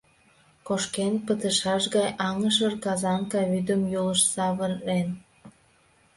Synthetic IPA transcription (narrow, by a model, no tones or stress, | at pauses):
koʃkenpət̪əʃɑʃɣɑjɑŋəʃ̬ərkɑzɑnkɑβyd̪əmjoləʃsɑβərːen